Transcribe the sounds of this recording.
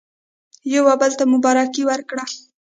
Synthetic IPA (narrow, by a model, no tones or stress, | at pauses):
jawabəlt̪amʊbɑɾakiwəɾkɽa